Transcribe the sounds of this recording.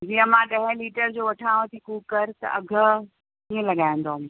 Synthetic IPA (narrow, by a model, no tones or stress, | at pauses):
d͡ʑiə̃mãːɗɐɦɪ̃liːʈəɾd͡ʑoːʋɐʈʰãːʋət̪ʰikuːkɐɾt̪ɐ̰ʔɐɡʱə̆ | iːẽlɐɠaːĩnd̪oɦɐm